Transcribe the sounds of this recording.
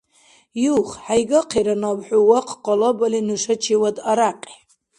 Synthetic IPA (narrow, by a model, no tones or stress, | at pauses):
juχħajɡaqʰiɾanabħʷᶣuwaqʰʼqʼɔlabalinuʂat͡ʃʰiwadaɾaqʼi̥